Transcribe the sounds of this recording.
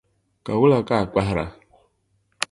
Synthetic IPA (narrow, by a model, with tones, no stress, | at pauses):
ka˨wu˦la˨ka˦˨k͡pa˦ɦɾa̰˨